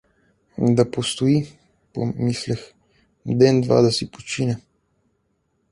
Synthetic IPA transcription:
d̪apost̪oi | po̰mislɛx | d̪ɛnd̪va̰d̪ɐsipot͡ʃinʲɛ

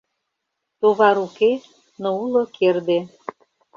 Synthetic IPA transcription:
t̪oβɑɾuke | noulokʰerd̪e

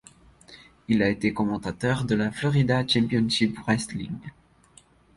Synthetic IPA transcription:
ilaet̪ekɔmɑ̃t̪at̪œʁd̪əlaflɔʁid̪at͡ʃɛ̃pjɔnʃipʁɛst̪lḭŋ

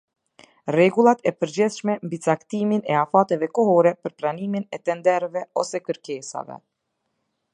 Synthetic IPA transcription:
rɛɡulˠat̪ɛpəɾd͡ʑiθʃmɛmbit͡sakt̪iminɛafat̪ɛvɛkɔhɔɾɛpəɾpɾaniminɛt̪ɛnd̪ɛɾvɛɔsɛkəɾkɛsa̰vɛ̰

